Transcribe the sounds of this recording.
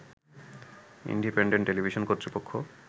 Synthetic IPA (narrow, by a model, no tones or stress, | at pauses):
ḭɳɖipeɳɖeɳʈːelibʱiʃonkot̪ːɾipokʰːo